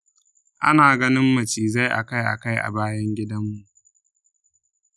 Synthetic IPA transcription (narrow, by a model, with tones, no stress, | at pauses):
ʔa̰˦naː˨ɡɐ˦nɪ˦mːɐ˨t͡ʃiː˨za˦jʔa̰˨ka˦jʔa̰˨ka˦jʔa̰˨baː˦jɐ˦ŋɡʲɪ˦dɐ˦mːu˨ʔ